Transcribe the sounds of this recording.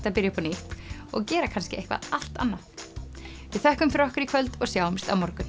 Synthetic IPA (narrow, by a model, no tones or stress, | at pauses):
t̪aðpɪɾjapʰɔnɪht̪ɔ̰ɣcɛːɾakʰanscɪehkva̰ða̰l̥t̪a̰nːa | vɪðθɛhkʏmfɪɾɔhkʏɾikʰvœlt̪ɔɣsjaːwmst̪awmɔɾkʏm